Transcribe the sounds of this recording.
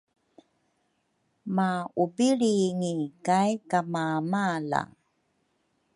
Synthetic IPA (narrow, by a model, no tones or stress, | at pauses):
maubiɭiŋikajkamamala̰